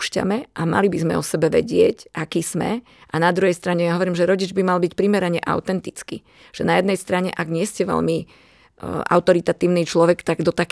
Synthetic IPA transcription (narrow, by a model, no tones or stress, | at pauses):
ʃca̰mɛʔama̰libizmɛ̰ɔsɛbɛʋɛ̰ɟɪɛcʔakiːz̥mɛ̰ | ʔanad̪ɾuɦɛjst̪ɾaɲɛjaɦɔʋɔɾiːmʒɛɾɔɟid͡ʒbimalbicpɾimɛɾaɲɛʔa̰ʊt̪ɛnt̪it͡skḭ̥ | ʒ̥ɛnajɛd̪nɛjst̪ɾaɲɛʔaɡɲɪɛscɛʋɛ̰ʎmi | ʔa̰ʊt̪ɔɾit̪at̪iːʊniːt͡ʃlɔʋɛkt̪aɡd̪ɔt̪ak